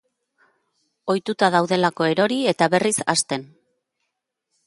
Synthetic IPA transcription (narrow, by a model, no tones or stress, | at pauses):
o̞jt̪ut̪að̞awðe̞lako̞e̞ɾo̞ɾie̞t̪aβe̞risa̰st̪e̞n